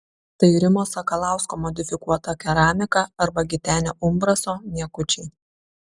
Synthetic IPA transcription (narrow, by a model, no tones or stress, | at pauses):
t̪ɐɪɾʲɪmoːsɐkɐlˠɑˑʊskoːmɔd̪ʲɪfʲɪkuɔt̪ɐkʲɛɾɑːmʲɪkɑɐɾbɐɡʲɪt̪ʲæːnʲoːʔʊmbɾɐsoːnʲiɛkʊt͡ʃʲɛɪ